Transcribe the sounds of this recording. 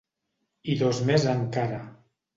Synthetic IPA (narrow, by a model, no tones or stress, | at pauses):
iðozmezaŋkaɾa